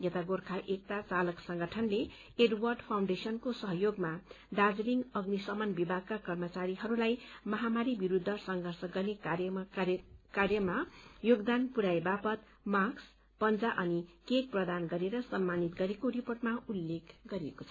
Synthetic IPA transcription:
jʌt̪aɡorkʰaʔek̚t̪at͡salʌksʌŋɡʌʈʰʌnle | eɖwʌrɖpʰawɳɖesʌnkosʌɦʌjoɡma | ɖad͡zliŋɡʌɡnisʌmʌnbibʱaɡ̚kːakʌrmʌt͡saɾiɦʌɾulajmʌɦamaɾibiɾud̪ʱːʌsʌŋɡʱʌrsʌɡʌrnekj | karjʌmajoɡd̪anpuɾajbapʌt̪̚ | maks | pʌnd͡zaʔʌnikek̚prʌd̪anɡʌɾeɾʌsʌmːanit̪ɡʌɾekoɾiporʈmaulːekɡʌɾieko̥t͡sʰʌ

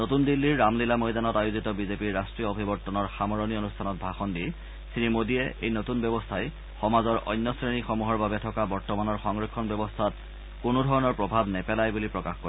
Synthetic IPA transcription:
notundilːiɹːamlilamojdanɔtajuzitɔbizepiɹːastɹiɔobʱibɔtːɔnɔɹxamɔɹonionustʰanɔt̚bʱaxɔndi | siɹimodijɛʔejnotunbjɔbɔstʰaj | xɔmazɔɹʔɔ̰jnːɔsɹenixɔmuɦɔɹbabɛtʰɔkabɔɹtɔmanɔɹxɔŋɹikʰːɔnbjɔbɔstʰat | kʊnʊdʱɔɹɔnɔɹpɹɔbʱabnɛpɛlajbulipɹɔkaxkɔɛ

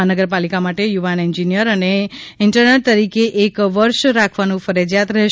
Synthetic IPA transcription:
anəɡəɾpalikamaʈejuʋanɛɲd͡ʒinijəɾəneɪɳʈəɾneʈ̚t̪əɾikeʔekʋəɾʃɾakʰʋanũfəɾed͡ʒjat̪ɾəɦe

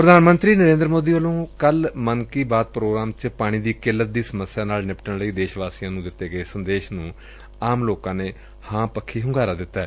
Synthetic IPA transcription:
pɾəd̪ʱaːnmənt̪ɾiːnəɾẽːnd̪ɾmoːd̪iːʋəlõːkəlmənkiːbaːt̪̚pɾoːɡɾaːmt͡ʃpaːɽ̃iːd̪iːkɪlːət̪̚d̪iːsəməsːɪjãːnaːlnɪpʈəɳləiːd̪eːʃʋaːsijãːnũːd̪ɪt̪ːeːɡəeːsənd̪eːʃnũː | aːmloːkãːneː | hãːpəkʰːiːɦʊ̃ŋɡaːɾaːd̪ɪt̪ːaɛː

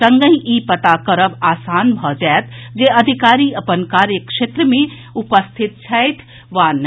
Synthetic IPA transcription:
sə̃ŋɡəĩʔipət̪akəɾəbaːsaːnbʱɔd͡ʒɛet̪ʰd͡ʒeəd̪ʱikaːɾiəpənkaːɾjəkʃeːt̪ɾəmẽ | upəst̪ʰit̪̚t͡ʃʰɛjt̪ʰ | ʋan

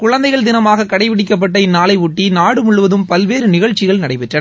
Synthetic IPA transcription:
kʊɻɐnd̪ɐɪɣɐɭd̪ɪnɐmaːɣɐkɐɽɐɪʋɪɽɪk̬ːɐp̬ːɐʈːɐɪnːaːlɐɪʊʈːinaːɽɯmʊɭːɯʋɐðɯmpɐlʋeːɾɯnɪɣɐɻt͡ʃːɪɣɐɭnɐɽɐɪpɛʈrɐɐ

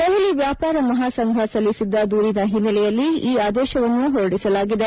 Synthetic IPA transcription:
kɐʋɐliʋjaːpaːɾɐmɐɦaːsɐŋɡʱɐsɐlːisid̪ːɐd̪uːɾinɐɦinːɐlɛjɐlːiiːaːd̪ɛːʃɐʋɐnːuɦoɾɐɽisɐlaːɡid̪e̞

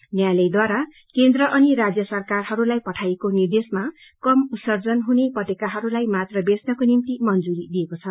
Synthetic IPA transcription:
njajlʌjd̪waɾa | kend̪rʌʔʌniɾad͡zjʌsʌrkarɦʌɾulajpʌʈʰajekonird̪esma | kʌmusʌrd͡zʌnɦunepʌʈekaɦʌɾulajmat̪rʌbesnʌkonimt̪imʌnd͡zuɾid̪ijekot͡sʰʌ

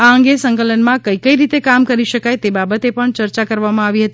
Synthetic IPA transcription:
aəŋɡesəŋkələnmãkəikəiɾit̪ekamkəɾiʃəkajt̪ebabət̪epəɳt͡ʃəɾt͡ʃakəɾʋamãaʋiɦət̪i

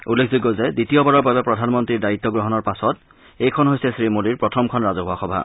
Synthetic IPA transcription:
ulːekʰzuɡɔzɛditijɔbaɹɔɹbabɛpɹɔdʱanmɔntɹiɹdajit̪ːɔɡɹɔɦɔnɔɹpasɔt | ejkʰɔnɦojsɛsɹimodiɹpɹɔtʰɔmkʰɔnɹazɔɦʊaxɔbʱa̰

